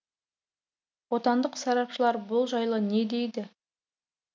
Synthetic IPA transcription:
wo̞t̪ɑnd̪əqsɑɾɑpʃəlˠɑɾbʊlˠʒɑjlˠəne̞d̪e̞jd̪ɪ

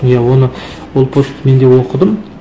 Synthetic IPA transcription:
ɴjɑwo̞nə | wolˠpʰost̪me̞nd̪e̞wo̞qəd̪əm

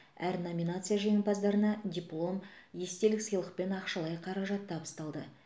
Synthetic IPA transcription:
æɾnomʲinat̪sɨjaʒe̞ŋɪpɑzd̪ɑɾənɑdʲiplˠo̞mje̞st̪e̞lɪksəjlˠəq̚pe̞nɑqʃɑlˠɑjqʰɑɾɑʒɑt̪ʰːɑbəst̪ɑlˠd̪ə

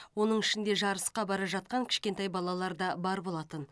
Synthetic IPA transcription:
wo̞nəɴɪʃɪnd̪e̞ʒɑɾəsqɑbɑɾɑʒɑt̪̚qɑŋkʲʰɪ̥ʃkʲe̞nt̪ɑjbɑlˠɑlˠɑɾd̪ɑbɑɾbo̞lˠɑt̪ən

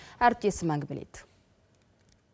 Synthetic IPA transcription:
aɾt̪esmaŋɡməlḛt̪

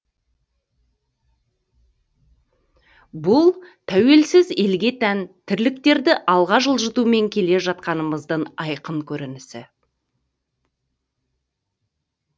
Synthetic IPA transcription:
bʊlˠt̪ʰæwe̞lsɪze̞lɡʲe̞t̪ʰænt̪ʰɪɾlɪkt̪e̞ɾd̪ɪʔɑlˠʁɑʒəlˠʒət̪ume̞ŋkʲʰe̞le̞ʒɑt̪̚qɑnəməzd̪əɴɑjqəŋkʲʰɵɾɪnɪsɪ̰

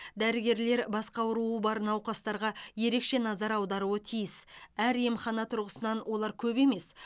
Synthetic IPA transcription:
d̪æɾɪɡʲe̞ɾle̞ɾbɑsqɑwʊɾuəbɑɾnɑwqɑst̪ɑɾʁɑje̞ɾe̞kʃe̞nɑzɑɾɑwd̪ɑɾuət̪ʰijɪsæɾje̞mχɑnɑt̪ʰʊɾʁəsənɑnwʔo̞lˠɑɾkʲʰɵbe̞me̞s

